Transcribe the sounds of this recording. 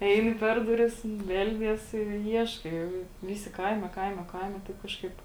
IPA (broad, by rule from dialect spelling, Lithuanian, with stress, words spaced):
ˈɛɪnʲɪ ˈpʲɛr dʊˌrʲɪs ˈbʲɛlʲdʲiɛs ɪ ˈiɛʃkɐɪ ˈʋʲɪˌsʲɪ ˈkɐɪmʲɛ ˈkɐɪmʲɛ ˈkɐɪmʲɛ tɐɪp ˈkɑːʃˌkɐɪp